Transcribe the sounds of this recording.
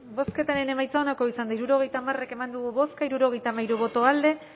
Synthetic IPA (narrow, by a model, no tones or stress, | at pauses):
bo̞ske̞t̪aɾene̞majt͡saonako̞isand̪aiɾuɾo̞ɣ̞e̞jt̪aːmare̞ke̞mand̪uɣuβo̞skaiɾuɾo̞ɣjt̪amajɾuβ̞o̞t̪o̞ald̪e̞